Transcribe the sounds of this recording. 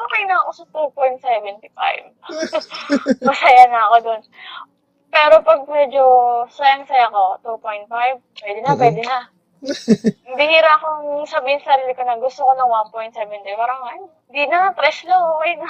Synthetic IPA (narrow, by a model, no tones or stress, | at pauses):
ʔokɐjnɐɐko̞sɐt̪upojnt̪̚sɛvɛnt̪ɪfa̰jb | mɐsɐjanɐɐko̞d̪on | pɛːɾo̞pɐɡ̚mɛd͡ʒosɐjaŋsɐjakot̪upo̞jnt̪̚fajv̚pwɛd̪ɛnɐp̬wɛd̪ɛnɐ | bɪhiːɾakoŋsɐbiːhɪnsɐɾiːlɪkonɐɡʊst̪okonɐŋwanpojnt̪sɛːvɛnt̪ipaːɾɐŋʔɐnoɪnd̪inɐt̪ɾɛslɐŋʔokɛjnɐ